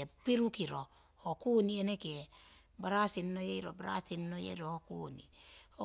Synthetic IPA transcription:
epiɾukiɾo | hokunienekiebaɾasinːojeiɾo̰baɾa̰sinːojḛɾohokṵnḭho

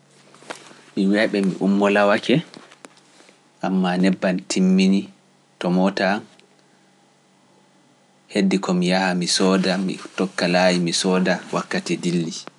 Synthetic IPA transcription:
miwɛɓɛmḭʔumːɔlawakʰɛ | ʔamːanɛbːantʰimːini | tɔmɔtan | hedːikɔmijahamisɔːdamḭtɔkːalajimisɔːdawʔakːatidilːi

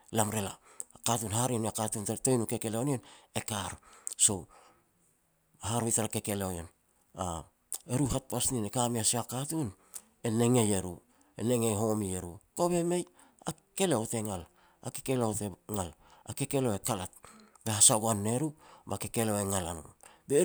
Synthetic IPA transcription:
lamɾe̞laːkatunhaɾiniakatuntatojnuke̞ke̞leonione̞kaɾso̞ | haɾojtaɾake̞ke̞leojon | a | e̞ɾuɦat̚pasninekamiasiakatun | e̞ne̞ŋe̞je̞ɾṵ | e̞̰ne̞ŋe̞jɦo̞mie̞ɾuko̞be̞me̞j | a | ke̞leote̞ŋal | a̰kekeleoteŋalake̞ke̞lo̞ekalat̚ | be̞hasaɡoanːe̞ɾubake̞ke̞lo̞eŋalanṵbe

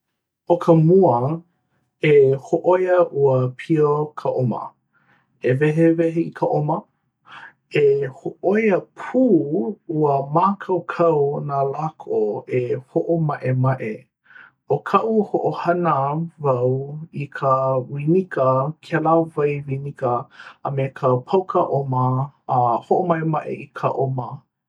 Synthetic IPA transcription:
okʰəmuə | ehoʔojəʔuəpʰiokʰəʔomə̰ | evɛɦevɛɦeikʰəʔomə | ehoʔojəpʰuːuəmaːkʰɐwkʰɐwnalakʰoehoʔomɐʔemɐʔe | okʰɐʔuhoʔohɐnəvɐwikʰəwinikəkʰɛlavɐjwinikəːmekʰəpʰɐwkʰəʔoməː | hoʔomɐʔemɐʔḛikʰəʔomə

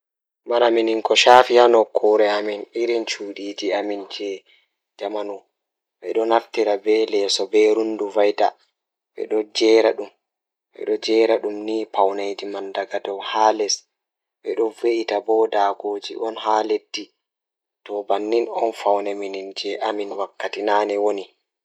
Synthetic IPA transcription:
manaminiŋkɔʃaːfijanɔkʰːɔɾɛaminiɾint͡ʃuːdiːd͡ʒiamind͡ʒɛ | d͡ʒamanu | ɓɛ̰ɗɔnaftiɾabɛlɛsɔbɛɾunduvajda | ɓɛ̰ɗɔd͡ʒɛːɾaɗum | ɓɛ̰ɗɔd͡ʒɛːɾaɗumniːpawnajd͡ʒimandaɡadɔwhaːlɛs | ɓɛɗɔveʔitabɔdaːɡoːd͡ʒḭʔɔnɦaːledːi | tɔbanːinɔnfawnɛminind͡ʒɛʔaminwakːatinaːnɛwoni

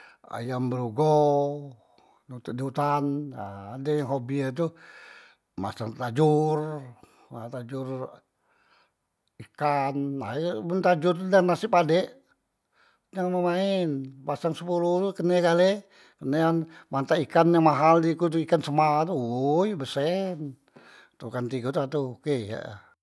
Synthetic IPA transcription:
a̰jambəɾuɡo | nut̪udiut̪anaːdajaŋɦobiat̪̬u | ma̰saŋt̪ad͡ʒur | at̪ad͡ʒʊr | ikana̰munt̪ad͡ʒʊrt̪udanasɪpadɛʔ | jaŋməmaɛnpasaŋsəpulut̪ukənekale | kəneanmant̪aikanjaŋmaɦaldikut̪uikansəmat̪̬uojbəsɛn | t̪ukant̪iɡut̪uat̪ukeja̰

